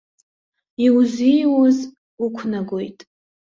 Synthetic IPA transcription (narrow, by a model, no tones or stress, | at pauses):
iwzijwoz | ukʷʰnaɡʷojtʼ